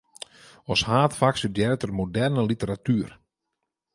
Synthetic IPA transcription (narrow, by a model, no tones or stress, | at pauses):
ɔshaːtfaksədjɛɾətərmodɛrnəlitəɾatyər